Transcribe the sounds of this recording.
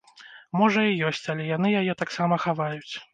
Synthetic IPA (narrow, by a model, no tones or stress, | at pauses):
mɔʐɐijɔsʲt͡sʲalʲɛjan̪ɨjajɛt̪aksamɐxavajut͡sʲ